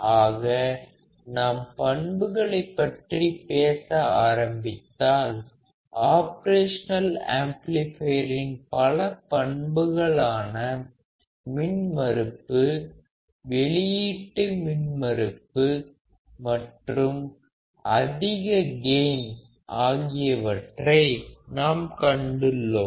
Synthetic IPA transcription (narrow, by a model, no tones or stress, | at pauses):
ʔaːɣɐ | nampɐɳbɯɣɐɭɐɪpːɐʈripeːsɐaːɾɐmbɪt̪ːaːl | ʔaːpɐɾeːʂɐnɐla̰ːmplɪfɐjɾɪnpɐlɐpɐɳbɯɣɐɭaːnɐ | mɪnmɐɾɯpːɯ | ʋɛɭɪjiʈːɯmɪnmɐɾɯpːɯ | mɐʈrɯm | ʔɐðɪɣɐɡeːn | ʔaːɣɪjɐʋɐʈrɐɪnaːmkɐɳɖɯɭːo